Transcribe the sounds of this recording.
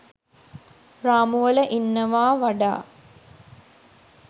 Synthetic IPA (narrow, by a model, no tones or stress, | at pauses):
raːmuʋələʔinːɐʋaːʋɐɖa̰ː